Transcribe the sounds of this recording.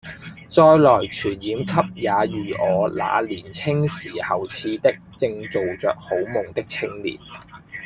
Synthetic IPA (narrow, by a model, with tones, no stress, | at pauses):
t͡sɔː˧jlɔː˨˩jt͡ʃʰyː˨˩njiː˨˥mkʰɐ˥p̚jaː˨˧jyː˨ʔɔː˨˧la̰ː˨˧liː˨˩nt͡sʰɪ˥ŋsiː˨˩hɐ˨wt͡sʰiː˨˧t̪ɪ˥k̚t͡sɪ˧ŋt͡so˨wt͡sœː˨k̚ho˨˥wmʊ˨ŋt̪ɪ˥k̚t͡sʰɪ˥ŋlḭː˨˩n